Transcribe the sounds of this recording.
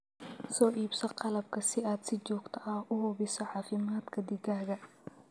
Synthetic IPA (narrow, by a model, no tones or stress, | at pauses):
sɔːʔiːbsɔqɑlɐb̚kʰɐsɪaːd̪sɪt͡ʃɔːɡt̪ʰɐʔɐhʊhʊβɪsɔʕɑːfɪmaːd̪kʰɐd̪ɪɡaːɣɐ